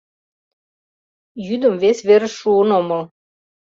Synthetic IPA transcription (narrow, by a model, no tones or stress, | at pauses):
jyd̪ə̆mvesβeɾə̆ʃːuənomɤl